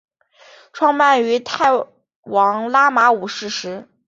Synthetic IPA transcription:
ʈ͡ʂʰwɑ˥˧ŋma˥˩ny˧˥t̪ʰa˥˩ɪ | wɑ˧˥ŋla˥ma˧˥u˨˩ʂɻ̩˥˩ʂɻ̩˧˥

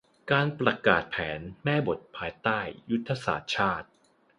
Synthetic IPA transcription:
kaː˧npɾa˧kaː˨˩t̪̚pʰɛ̰ː˩˦nmɛː˥˩bo˨˩t̪̚pʰaː˧jt̪aː˥˩jːu˦˥t̪ʰːa˧sa̰ː˨˩t̪̚t͡ɕʰaː˥˩t̪̚

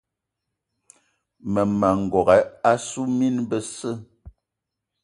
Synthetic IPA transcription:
mə˨ma˨ŋ̩˨ɡɔ˨ɣɛ˨˦a˦su˦mi˦nbə˦sə˦˨

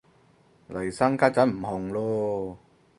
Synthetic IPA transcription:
lɐ˨˩jsa˥ŋkaː˥t͡sɐ˨˥nm̩˨˩hɔ˨ŋloː˥

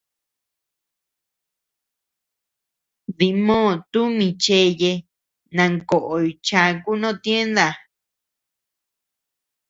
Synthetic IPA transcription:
ði˧mõː˦˨t̪u˦mĩ˧t͡ʃe˧˦je˧ | nã˧ŋko˨ʔo˨i˨˧t͡ʃa˧ku˦nõ˦˨t̪je˦nd̪a˧˨

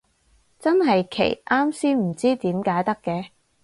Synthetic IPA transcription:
t͡sɐ˥nɦɐ˨jkʰḛ˨˩jʔaː˥msiː˥m̩˨˩t͡siː˥t̪iː˨˥mkaː˨˥jt̪ɐ˥kːɛː˨˧

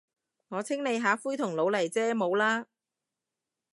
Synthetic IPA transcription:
ŋɔː˨˧t͡sʰɪ˥ŋne˨˧jɦaː˨˧fuː˥jt̪ʰʊ˨˩ŋlo˨˧wlɐ˨˩jt͡sɛː˥mo˨˧wlaː˥

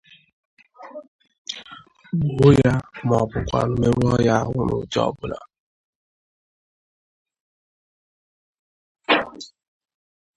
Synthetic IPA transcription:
bʊ˨ɦʊ˦ja˦m˨ɔ˨pʊ˨kʷa̰˨nʊ˨me˦ɾu˦ɔ˦ja˦a˦ɦʷʊ˦nʊ̰˨d͡ʒɔ̰˦˨bʊ˦la˨

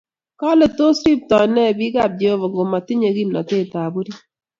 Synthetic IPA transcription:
ka˦le˨to˦sɾi˦p̚tɔ˨nɛ˦˨bi˦ɡa˦˨b̚d͡ʒe˦o˦βɔ˨ŋɡo˨ma˨ti˦ɲe˨ɣi˦mnɔ˨te˦˨ta˨bu˦ɾi˦

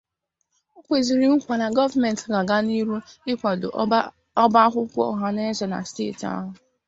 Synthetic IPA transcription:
o˦kʷe˨zi˨ɾi˨m̩˦kʷa˨na˨ɡɔ˦va˨mɛ˨n˨tɡa˨ɡa˦ni˦ɾu˦ɪ˦kʷa˨do̰˨ | ɔ˦ba˦ɦʷʊ˦kʷɔ̰˦˨ɦa˨ne˦zɔ˨na̰˨stḛ˦˨ta̰˦ɦʊ˨

